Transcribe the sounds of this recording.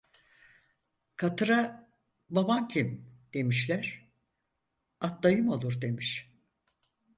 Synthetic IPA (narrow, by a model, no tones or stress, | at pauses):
kʰat̪ɯɾa | babancʰimd̪̥e̞miʃlʲæɾ̥ | at̪lˠajɯmo̞lˠuɾd̪e̞miʃ